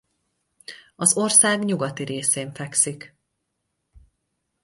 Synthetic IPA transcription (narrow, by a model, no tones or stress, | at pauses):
ɒzo̞rsaːɡɲuɡɒt̪iɾeːseːɱfɛksik